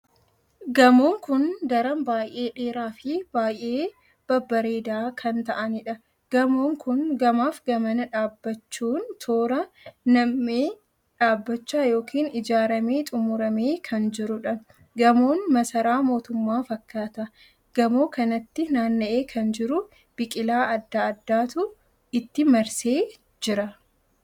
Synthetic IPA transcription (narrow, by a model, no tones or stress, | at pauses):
ɡɐmoːŋkʊnd̪ɐɾɐmbaːjʔe̞ːᶑe̞ːɾaːfɪb̥aːjʔe̞ː | b̥ɐbːɐɾe̞ːd̪aːkʰɐnt̪ɐʔɐnɪᶑɐ | ɡ̥ɐmoːŋkʊnɡɐmaːfɡɐmɐnɐᶑaːbːɐt͡ʃːuːnt̪ʰoːɾɐ | nɐmːeː | ᶑaːbːɐt͡ʃːaːjo̞ːkʰiːnɪd͡ʒaːɾɐme̞ːt̪ʼʊmʊɾɐmeːkʰɐnd͡ʒɪɾʊᶑɐn | ɡɐmoːnmɐsɐɾaːmo̞ːt̪ʊmːaːfɐkːaːt̪ɐ | ɡ̥ɐmoːkɐnɐt̪ːɪnaːnːɐʔe̞ːkʰɐnd͡ʒɪɾʊ | b̥ɪkʼɪlaːɐd̪ːɐːd̪ːaːt̪ʊ | ɪt̪ːɪmɐɾseː | d͡ʒɪɾɐ